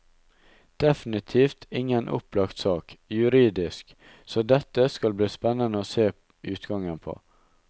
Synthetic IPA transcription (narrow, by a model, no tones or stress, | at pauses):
d̪̥ɛfnɪt̪ʰiːft̪ʰɪŋənʔʊ̰plɑkt̪sɑːkjʉɾiːd̪ɪsk | soːd̪ɛt̪ːəskɑlbliːspɛnːənəoːseː | ʉːt̪ɡɑŋənpʰo̰ː